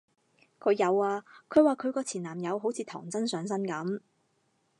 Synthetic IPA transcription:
kʰɵ˨˧ɥjɐ˨˧waː˧kʰɵ˨˧ɥwaː˨˧kʰɵ˨˧ɥkɔː˧t͡sʰiː˨˩naː˨˩mjɐ˨˧wɦo˨˥wt͡sʰiː˨˧t̪ʰɔ̰ː˨˩ŋt͡sɐ˥nsœː˨˧˥ŋsɐ˥nkɐ˨˥m

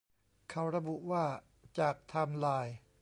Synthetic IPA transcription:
kʰa˧˩wɾa˧bu˨˩ʔwaː˥˩ | t͡ɕaː˨˩k̚t̪ʰa˧mlaː˧j

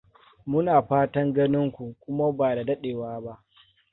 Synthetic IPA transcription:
mʊ˦naː˨ɸaː˦tɐ˦ŋɡɐ˦nɪ˦ŋkʷu˨kʷʊ˦ma˦baː˨da˨dɐ˦ɗeː˨waː˦ba˦ʔ

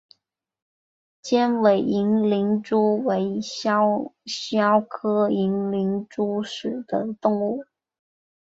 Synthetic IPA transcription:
t͡ɕjɛ˥nwe˨˩ɪi˧˥ŋli˧˥ŋʈ͡ʂu˥we˧˥ɪ˥ | ɕjɑ˥ʊkʰɤ˥i˧˥ŋli˧˥ŋʈ͡ʂu˥ʂɻ̩˨˩d̪̥ə˦t̪ʊ˥˧ŋu˥˩

